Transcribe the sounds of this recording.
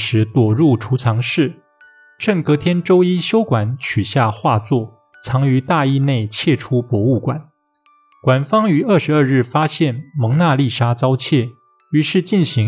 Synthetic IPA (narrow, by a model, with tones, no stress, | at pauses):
ʂɻ̩˧˥t̪wɔ˨˩ɻu˥˩ʈ͡ʂʰu˧˥t͡sʰɑ˧˥ŋʂɻ̩˥˩ | ʈ͡ʂɤ˥˩ŋkɤ˧˥t̪ʰjɛ˥nʈ͡ʂo˥ʊi˥ɕjo˥ʊkwa˨˩nt͡ɕʰy˨˩ɕja˥˧xwa˥˧t͡swɔ˥˩ | t͡sʰɑ˧˥ŋy˧˥t̪a˥˧i˥ne˥˩˧ɪt͡ɕʰjɛ˥˩ʈ͡ʂʰu˥pwɔ˧˥u˥˩kwa˨˩˦n | kwa˨˩nfɑ˥ŋy˧˥ə˥˩ʂɻ̩˧ə˞˥˧ɻɻ̩˥˩fa˥ɕjɛ˥˩nmɤ˧˥ŋna˥˧li˥˩ʂa˥t͡sɑ˥ʊt͡ɕʰjɛ˥˩ | y˧˥ʂɻ̩˥˧t͡ɕi˥˩nɕi˧˥